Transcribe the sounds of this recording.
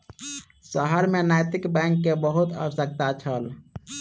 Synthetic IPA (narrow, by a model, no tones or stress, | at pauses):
səɦəɾmenajt̪ikbɛ̃ŋkːebəɦut̪ə̰wsək̚t̪at͡ʃʰəl